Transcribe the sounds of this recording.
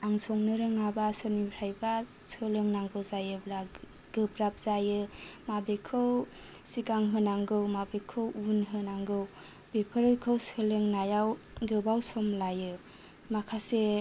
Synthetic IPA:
aŋsɔŋnɯɾɯŋabasɯɾnipɾajbasɯlɯŋnaŋbɯzajɯbla | ɡɯpɾap̚z̥ajɯmabekʰɯw | sikaŋɦɯnaŋɡɯwmabekʰɯwunɦɯnaŋɡɯw | b̥epʰɯɾɯkʰɯwsɯlɯŋnajawɡɯbawsɔmlajɯ | makʰase

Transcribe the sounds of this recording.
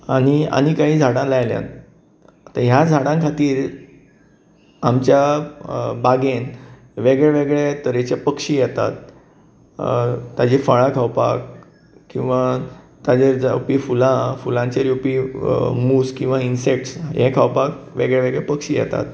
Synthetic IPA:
aɽ̃ia̰ñikaɦiːd͡zʱaɽãlajljã̰n | t̪əɾɦjad͡zʱaɽãŋkʰat̪iːɾ | amt͡ɕja | baɡen | ʋeɡɭeʋeɡɭet̪əɾet͡ɕapəkʂiːjɛt̪a̰t̪̚ | t̪ad͡ʑefəɭãkʰawpa̰k | kːĩw̃ʋa | t̪ad͡ʑed͡zupifulãfulãɲt͡ɕeɾjupimuːskĩw̃ʋainsekʈsɦẽkʰawpakʋḛɡɭeʋeɡɭepəkʂiːjɛ̰t̪a̰t̪

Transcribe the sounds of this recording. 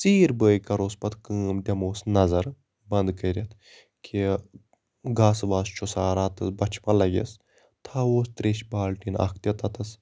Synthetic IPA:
t͡siːɾbəːjkɐɾoːspɐt̪kɨːmd̪ʲɐmoːsnɐzɐɾ | bɐnd̪kɐɾʲɐt̪ʰ | kʰi | ɡaːsʋaːst͡ʃʰusaːɾaːt̪ɐsbɐt͡ʃʰpɐlɐɡʲḛs | t̪ʰaːoːst̪ɾeːʃbaːlʈiːnɐ̰kʰt̪ɐt̪ɐt̪ɐs

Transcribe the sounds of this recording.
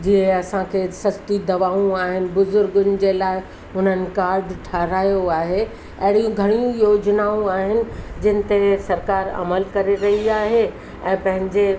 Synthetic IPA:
d͡ʑiɦẽɐsãkʰesɐsʈ̪id̪ɐʋaːũaːɦɪnɪ̆bʊzʊɾɡʊnɪ̆d͡ʑeːlaːɪ | ɦʊn̤ənɪ̆kaːɾɖʈʰaːɾaːjoaːɦe | ɐ̰ɦɪɽijũɡʱɐɽ̃ijũjoːd͡ʑnaːũaːɦɪnɪ̆d͡ʑɪnɪ̆t̪esɐɾkaːɾɐ̰məlkɐɾeɾɐɦiaːɦe | ɛ̃ːpɐ̃ɦɪ̃ɲd͡ʑe

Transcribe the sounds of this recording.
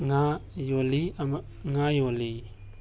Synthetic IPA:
ŋajoliama | ŋajoli

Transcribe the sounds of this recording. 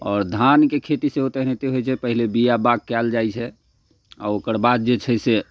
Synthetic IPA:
ɔːɾd̪ʱankekʰet̪iseot̪ɛɦnet̪eɦojt͡ʃʰɛpəɦilebijabaɡ̚kɛld͡ʒajt͡ʃʰɛ | a̰okəɾbad̪̚d͡ʒet͡ʃʰɛse

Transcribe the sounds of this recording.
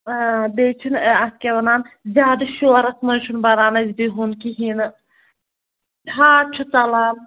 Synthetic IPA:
b̪eːt͡ʃʰunɐskʲeʋɐnaːnzʲaːd̪ɐʃoːɾɐsmɐnʃʰunbɐɾaːnɐzʲbiɦunkiɦinɨ | ɦaːt͡ʃʰut͡sɐlaːm

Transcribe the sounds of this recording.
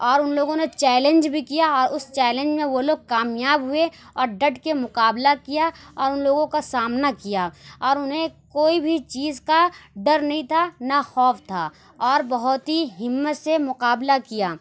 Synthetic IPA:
ɔːɾʊnloːɡõnet͡ʃɛːlə̃nd͡ʒbʱikijaɔːɾʊst͡ʃɛːlə̃nd͡ʒmẽʋoloːɡ̚kaːmjaːbɦʊe | ɔːɾɖɐʈkemʊqaːblakijaɔːɾʊnloːɡõkasaːmnakijaːɔːɾʊnɦẽkoːibʱit͡ʃiːzkaɖɐɾnɐɦĩt̪ʰanaxɔːft̪ʰaː | ɔːɾbɐɦʊt̪ɦiɦɪmːət̪semʊqaːblakijaː

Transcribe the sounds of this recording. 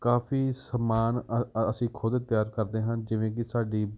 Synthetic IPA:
kaːpʰiːsəmaːnəsĩːkʰʊd̪t̪ɪjaːɾkəɾd̪eːɦə̃nd͡ʒɪʋẽːk̬ɪsaːɖiː

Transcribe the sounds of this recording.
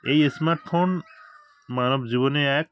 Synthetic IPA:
ejesmaɾʈfʰon | manɔbzibɔneajk̚

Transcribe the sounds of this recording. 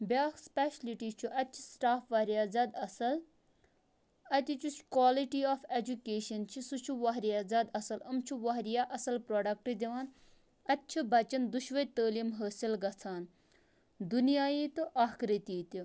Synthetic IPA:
bʲaːspeʃɐliʈiːt͡ʃʰuʔɐt̪t͡ʃʰi̥sʈaːfʋɐɦɾijaːzɐd̪ɐsɐl | ɐt̪ʲit͡ʃʰut͡ʃkwaːliʈiːaːfed͡ʒukeːʃɐnt͡ʃʰisut͡ʃʰuʋaɦɾijaːzɐd̪ɐsɐlɐmt͡ʃʰuʋɐɦɾijaːʔɐsɐlpɾoːɖɐk̚ʈɨd̪ʲiʋaːn | ɐt̪ːt͡ʃʰibɐt͡ʃɐnd̪uʃʋɐt̪əːliːmɦəːsilɡɐt͡sʰaːn | d̪unijaːjiːt̪uʔaːkɾit̪iːt̪u

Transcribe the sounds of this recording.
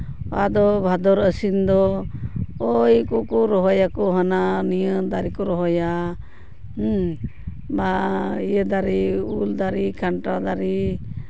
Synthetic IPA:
a̰d̪ɔbʱad̪ɔɾəsind̪ɔ | ojkɔkɔɾɔɦɔjakɔɦananijəd̪aɾikɔɾɔɦɔja | baijəd̪aɾiuld̪aɾikʰaɳʈad̪aɾi

